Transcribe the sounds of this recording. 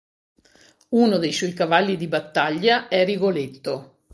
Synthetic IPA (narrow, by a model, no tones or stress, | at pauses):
unod̪ejswɔjkavalːid̪ibat̪ːaʎːaɛriɡolet̪ːo